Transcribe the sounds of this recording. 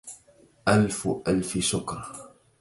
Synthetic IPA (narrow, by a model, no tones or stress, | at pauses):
ʔalfʔalfɪʃʊkɾˤɑ